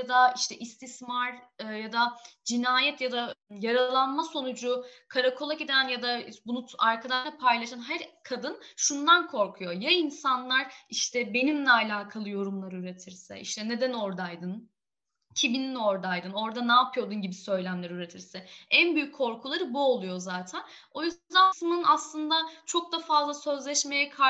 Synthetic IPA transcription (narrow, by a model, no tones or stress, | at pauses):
jad̪aiʃt̪ʰɛʔist̪ʰismaɾɯjad̪ad͡ʒinaːjɛt̪jad̪ajaɾalˠanmaso̞nud͡ʒukʰaɾakʰolˠaked̪ænjad̪abunuaɾkʰad̪aʃapʰajlˠaʃanɦæɾkʰad̪ɯnʃund̪ankʰo̞ɾkʰujo̞jainsanlˠaɾiʃt̪ʰɛbe̞nimlʲɛalʲaːkʰalˠɯjo̞ɾumlˠaɾɯyɾe̞t̪ʰiɾsɛ̰ʔḭʃt̪ʰɛne̞d̪æno̞ɾd̪ajd̪ɯn | cʰibinino̞ɾd̪ajd̪ɯno̞ɾd̪anaːpʰɯjo̞d̪unɟibisø̞jlʲæmlʲeɾiyɾe̞t̪ʰiɾsɛænbyjycʰːo̞ɾkʰulˠaɾɯbuo̞lˠujozaːt̪ʰæno̞jyzd̪asɯmɯnaslˠɯnd̪at͡ʃʰo̞k̚d̪afazlˠasø̞zlʲɛʃme̞jɛkʰa